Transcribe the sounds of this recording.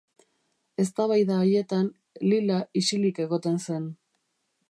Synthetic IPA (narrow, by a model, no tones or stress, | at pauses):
e̞st̪aβajðaoje̞t̪an | lilaisilike̞ɣo̞t̪e̞nse̞n